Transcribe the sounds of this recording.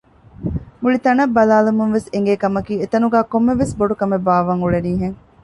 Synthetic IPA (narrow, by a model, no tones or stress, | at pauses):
muɭit̪ɐnɐbːɐlaːlumuŋʋeseŋɡeːkɐmɐkiːet̪ɐnuɡæːkomːeʋesboɖukɐmebaːʋɐŋuɭeniːɦeŋ